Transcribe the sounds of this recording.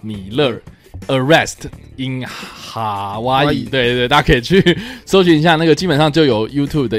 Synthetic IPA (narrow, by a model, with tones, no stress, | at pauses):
ni˨˩lə˥˩ | ə˨˩ɹɛ˥˧˩sti˧˥nxa˨˩wa˥i˥˨˩t̪we˥˧ɪt̪we˥˩ɪt̪ʰa˥kʰɤ˥i˨˩t͡ɕʰy˥˩so˥ʊy˧˥ni˧ɕ̬ja˥˧na˥˩ɡə˩t͡ɕi˥pə˨˩nʂɑ˥˧ŋt͡ɕjo˥˩ʊjo˨˩ʊju˥t̪ʰu˥˩b̚d̪ə˨